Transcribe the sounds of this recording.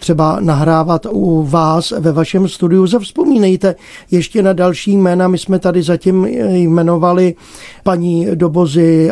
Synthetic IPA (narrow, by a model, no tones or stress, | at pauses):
t̪r̝̥ɛbanaɦɾaːvat̪uvaːsvɛvaʃɛmst̪udɪjuzafspo̞miːnɛjt̪ɛ | jɛʃcɛnadalʃiːjmɛːnamɪsmɛt̪adɪzacimjmɛno̞valɪ | paɲiːdobo̞zɪ